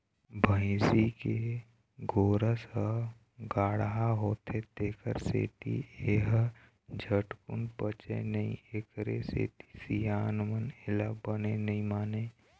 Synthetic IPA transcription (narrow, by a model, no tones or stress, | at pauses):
bʱəɪsike | ɡoːɾəsə | ɡaːɽɦaɦoːt̪ʰet̪eːkʰə̰ɾsḛːt̪ḭeɦ | d͡ʒʱəʈkʊ̰npət͡ʃḛnəḭ̃eːkɾḛsḛːt̪i̥sijaːnmənɪlabənenəĩmaːne